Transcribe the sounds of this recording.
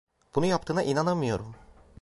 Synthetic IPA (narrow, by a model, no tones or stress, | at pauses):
b̥unujap̚t̪ʰɯːna̰ʔinanamɯjo̞̰ɾum